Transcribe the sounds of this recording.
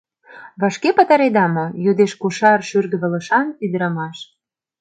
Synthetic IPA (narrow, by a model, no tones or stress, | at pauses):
βɑʃkepɑt̪ɑɾed̪ɑmojod̪eʃkuʃɑrʃyrɣə̆βə̆lə̆ʃɑnyd̪ə̆ɾə̆mɑʃ